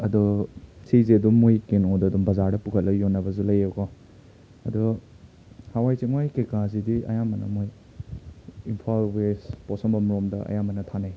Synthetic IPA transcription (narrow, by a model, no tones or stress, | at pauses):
ɐdusezeɐdumːojkenodɐdumbɐzaɾdɐpukʰɐt̚lɐjonːɐbɐzulɐjewɡɔ | ɐdu | hawajt͡ʃiŋajkekazidiɐ̰jamɐnɐ̰moj | inpʰalwespɔsɔŋbɐmɾomdɐɐ̰jamɐnɐtʰanaj